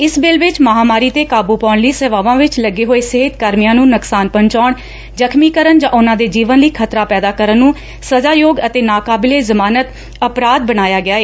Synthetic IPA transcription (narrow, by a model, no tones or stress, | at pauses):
ɪsbɪlʋɪt͡ʃməɦaːmaːɾiːt̪eːkaːbuːpaːɳliːsɛːʋaːʋãːʋɪt͡ʃləɡːeːɦoːeːseɦɪt̪kəɾmɪjãːnũːnʊksaːnpəɲt͡ʃaːɳ | d͡ʒəkʰmiːkəɾənd͡ʒãːʔʊnãːd̪eːd͡ʒiːʋənliːkʰət̪ɾaːpɛːd̪aːkəɾənːũː | səzaːjoːɡət̪eːnaːkaːbɪleːzəmaːnət̪ | əpɾaːd̪̚bəɽaːjaːɡɪjaːeː